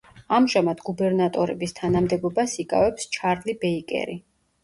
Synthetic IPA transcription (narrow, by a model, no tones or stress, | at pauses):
amʒamad̪ɡubɛɾnat̪ʼɔɾɛbist̪ʰanamd̪ɛbɔbasikʼa̰vɛpst͡ʃʰaɾlibɛikʼɛ̰ɾi